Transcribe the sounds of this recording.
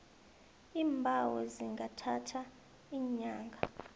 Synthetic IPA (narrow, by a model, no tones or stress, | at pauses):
iːmbʱawɔziŋʱatʰatʰa | iːɲaːŋɡʱa